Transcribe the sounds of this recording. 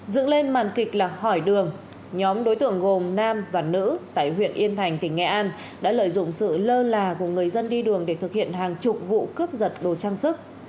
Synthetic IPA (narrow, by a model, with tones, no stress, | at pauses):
zɨ̰˧˨əŋle˧nmaː˨˩nkï˨˩k̚laː˨˩hɔ˧˩jɗɨ˨˩əŋ | ɲɔ˨˦mɗo˨˦jt̪ɨ̰˧˨əŋɣo˨˩mnaː˧mvaː˨˩nɨ̰˧˥t̪a̰ː˧˨jhwḭ˧˨ənʔi˧ənt̪ʰa˨˩jŋ̟t̪ï˧˩ŋ̟ːɛ̰˧˩ʔaː˧n | ɗa̰ː˧˥lə̰ː˧˨jzʊ̰˧˨ŋ͡msɨ̰˧˨ləː˧laː˨˩ku˧˩əŋɨ˨˩əjzə˧nɗi˧ɗɨ˨˩əŋɗe˧˩t̪ʰɨ˨˩k̚hḭ˧˨ənɦaː˨˩ŋt͡ɕʊ˨˩k͡p̚vṵ˧˨kɨ˦˥əp̚zə˨˩t̚ɗo˨˩t͡ɕaː˧ŋsɨ˦˥k̚